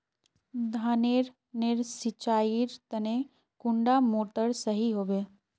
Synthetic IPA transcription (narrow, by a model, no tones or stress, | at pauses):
d̪ʱaːneɾ | neɾsɪt͡ʃaːiɾt̪ɐne | kʊ̃ɳɖamoːʈəɾsɐɦiɦoːbeː